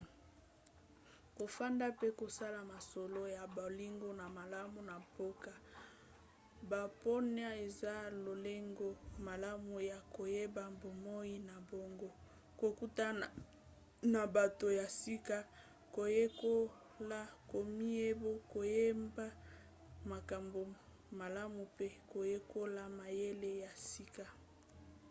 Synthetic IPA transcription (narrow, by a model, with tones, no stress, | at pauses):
ko˨fa˦nda˦pe˦ko˨sa˦la˨ma˨so˨lo˦ja˨bli˦ŋɡo˦na˨ma˨la˦mu˨na˨po˦ka˦ | ba˨po˦n˦a˦e˨za˦lo˨le˦ŋɡo˦ma˨la˦mu˨ja˨ko˨je˦ba˨mbo˨mo˦i˦na˨bo˨ŋɡo˦ | ko˨ku˦ta˦ | na˨ba˨to˨ja˨si˦ka˦ | ko˨je˦ko˦ | la˦ko˨mi˦e˦bo˦ko˨je˦mba˦ | ma˨ka˨mbo˨ | ma˨la˦mu˨pe˦ko˨je˦ko˦la˦ma˨je˦le˦ja˨si˦ka˦